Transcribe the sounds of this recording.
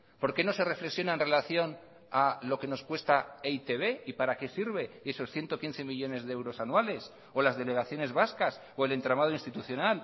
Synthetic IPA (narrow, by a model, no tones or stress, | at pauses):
po̞ɾke̞no̞se̞re̞fle̞ksjo̞naenre̞laθjo̞n | alo̞ke̞no̞skwe̞st̪aeit̪e̞β̞e̞ipaɾake̞siɾβ̞e̞e̞so̞sθje̞nt̪o̞kinθe̞miʎo̞ne̞zðeewɾo̞sanwale̞s | o̞lazðe̞le̞ɣ̞aθjo̞ne̞zβaskas | oe̞le̞nt̪ɾamað̞oinst̪it̪uθjo̞nal